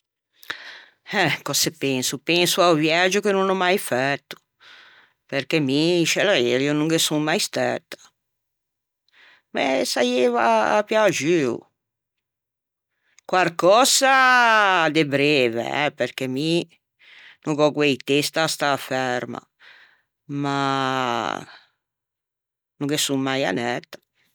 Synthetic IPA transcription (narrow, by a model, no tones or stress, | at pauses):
ɛkɔsepensupensuawvjad͡ʒʊkenũnɔmajfɛt̪ːʊ̥ | peɾkemiʃelaelionũŋɡesuŋmajst̪ɛt̪ːḁ | mɛsajeva̰ːpjad͡ʒiṵ | kwarkɔsa | d̪ebɾeːvḛɛ̰perk̟emi | nuŋkɔkwejt̪est̪ast̪afɛɾma̰ | ma | nuŋɡesummːaja̰nɛt̪ːḁ